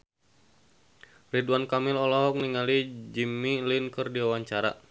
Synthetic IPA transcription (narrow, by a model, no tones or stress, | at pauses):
riduankamilɔlɔɦɔk̚niŋalid͡ʒimːilinkərdiawaɲt͡ʃaɾa̰